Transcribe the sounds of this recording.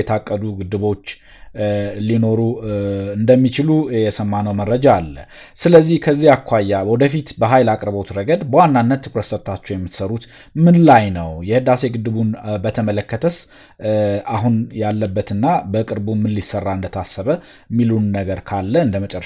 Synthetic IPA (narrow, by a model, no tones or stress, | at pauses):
ɛt̪ʰakʼːəd̪uɡɨd̪ːɨβo̞t͡ʃː | lino̞ɾuɨnd̪əmːit͡ʃɪlujɛsəmːanəwməɾːəd͡ʒaːlːə̰sɨləzːihkʰəzːiakʰʷajːawɔd̪əfit̪bəɦajlakʼɾbot̪ɾəɡəd̪bəwanːanːət̪ʰːɨkɾəssət̪ʰat͡ʃːɛjɛmːɨt̪səɾut̪ | mɨnlajnəwjɛhɨd̪ase̞ɡɨd̪ːɨβunbət̪ʰəmələkːət̪ʰəs | ʔaɦunjalːəbːət̪ɨnːabəkʼɨɾbumɨnlisərːaɨnd̪ət̪ʰasːəβə | mːilunːəɡəɾkʰalːəɨnd̪əmət͡ʃʼərː